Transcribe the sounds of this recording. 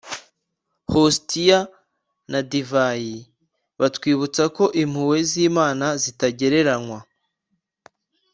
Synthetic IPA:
hostija | nadivaji | βatwiːβut͡sako̞ʔim̥huwe̞ziːmaːnazitaɟe̞ɾe̞ɾanŋwa

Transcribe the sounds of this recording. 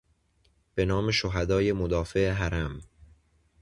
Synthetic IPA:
b̥e̞nɒːmeʃoɦæd̪ɒːje̞mod̪ɒːfe̞eɦæɾæm

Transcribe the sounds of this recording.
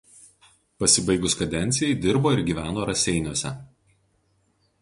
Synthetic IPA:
pɐsʲɪbɐɪɡʊskɐd̪ʲɛnʲt̪sʲɪjɛɪd̪ʲɪɾboːɪɾɡʲiːʋʲæːnoːɾɐsʲɛɪnʲuɔsʲɛ̰

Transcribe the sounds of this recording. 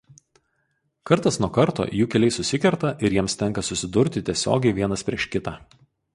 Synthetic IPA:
kɐɾt̪ɐsnuɔkɐɾt̪o̰ːjuːkʲɛlʲɛɪsʊsʲɪkʲɛɾt̪ɐʔɪɾjiɛmst̪ʲɛŋˑkɐsʊsʲɪd̪ʊɾʲt̪ʲɪt̪ʲiɛsʲo̰ːɡʲɛɪʋʲiɛnɐspʲɾʲiɛʃkʲɪt̪ɑː

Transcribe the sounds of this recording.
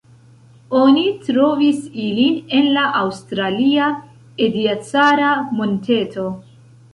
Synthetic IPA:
o̞nitɾo̞visiline̞nlaʔawstɾalia | ediat͡saɾamonte̞to̞

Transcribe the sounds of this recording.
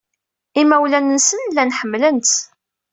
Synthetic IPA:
imæwlænənsənlːænħəmːlənt̪

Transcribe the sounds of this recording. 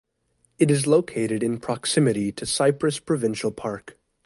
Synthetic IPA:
ɨɾɨzloʊkʰeɪɾɨɾɨ̃npʰɹ̥ɑksɪ̃mɨɾiɾɨsaɪpɹɨspʰɹ̥ɨvɪ̃nʃl̩ˠpʰɑɹk

